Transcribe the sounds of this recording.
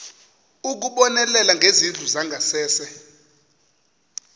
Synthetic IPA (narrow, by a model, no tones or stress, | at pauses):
uk̬uɓɔnɛlɛlaŋɡʱezind͡ɮʱuzaŋɡʱasɛːsɛ